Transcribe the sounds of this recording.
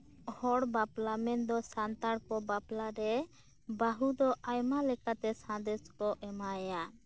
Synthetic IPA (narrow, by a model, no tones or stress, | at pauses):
hɔɽbaplamɛnd̪ɔsant̪aɽkɔbaplaɾɛ | baɦud̪ɔʔajmalɛkat̪ɛsãnd̪ɛskɔʔɛmaja